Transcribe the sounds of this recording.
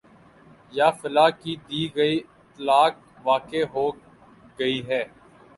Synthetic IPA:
jaːfɪlaːkid̪iːɡɐiːɪt̪laːk̚ | ʋaːkeːɦoː | ɡɐiːɦɛː

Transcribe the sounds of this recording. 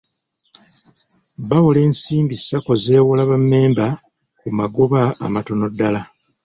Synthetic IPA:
βawole̞ːnsiːmbisako̞ze̞ːwulaβamːe̞ːmba | kumaɡoβa̰ːmato̞no̞dːala

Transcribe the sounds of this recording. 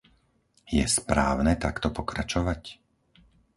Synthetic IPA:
jɛ̰spɾa̰ːʊnɛt̪akt̪ɔpɔkɾat͡ʃɔʋac

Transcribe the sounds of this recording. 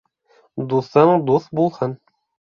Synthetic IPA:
d̪uθɤɴd̪uθbulˠhɤn

